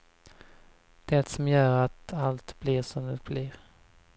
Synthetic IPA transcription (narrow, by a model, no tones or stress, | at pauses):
d̪̥ɛt̪sɔmjœːɾat̪alt̪b̥liɾʂɔmd̪ɛt̪b̥liːɾ